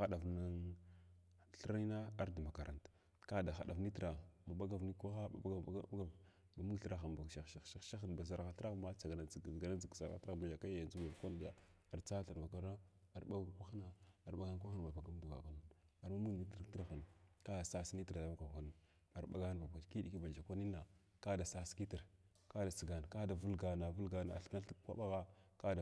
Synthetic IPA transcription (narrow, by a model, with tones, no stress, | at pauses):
xa˦ɗa˨vna˦n | ɬə˦ɾa˦i˦na˦a˦ɾda˨ma˨ka˨ɾa˨nt | ka˦˨da˨xa̰˨ɗa̰˨vni˦tɾa˨ma˨ɓa˦ɡa˨vni˦kʷa˦xa˦a̰˨˦ɡa˦a˦ɡa˦ | ba˨mu˦ɡɬə˦ɾa˦xa˨nba˨ʃa˨ʃa˨ʃa˦ʃa˦xa˨n˨ba˨z̬a˨ɾɣa˨ɬɾa˦xma˦t͡sa˨ɡa˨na˨ɡa˨na˦d͡zi˨ɡza˨ɾɣa̰˨˦tɾa˦˨ma˨ja˨ka˦jja˨nzu˦ba˨vkʷa˦n˦di˦ja̰˦ | a˨ɾt͡sa˦ɬa˨ɾva˨ka˦ɾa˦a˨ɾɓa˦ɡkʷa˦xna˨a˨ɾba˦ɡa˦n˦k̬ʷa˦xa˦n˨ba˨ba˨ɡa˦m˦bu˨ɡa̰˨ka˦n˦˨a˨ɾma˦mu˦ɡni˦ttə˦ɾa˦xa˨nka˦da˨sa˦si˦ni˦ti˨ɾa˨˦ma˦ka˨xa˨n˨ | a˨ɾba̰˦ɡa˦n˨ba˨bki˦ɗi˨ki˦ba˨d͡ʒa˨kʷa˦ni˦na˨ | ka˦da˨sa˦ski˦ti˨ɾ | ka˦da˨si˨ɡa˨n˨ka˦da˨vu˦lɡa˨na˨vu˦lɡa˦na̰˨ɬka˦ɬkʷa̰˦ɓa˦ɣa˦ka˦da˨